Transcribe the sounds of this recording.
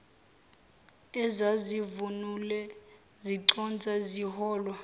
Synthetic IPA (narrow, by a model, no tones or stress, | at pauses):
ɛzazivunulɛ | ziǃɔnd͡zʱʼaziɦɔːlwa